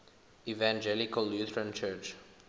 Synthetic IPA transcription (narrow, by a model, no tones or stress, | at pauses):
ivãnd͡ʒɛlikəlːjut̪əɹə̃nt͡ʃʰɜt͡ʃ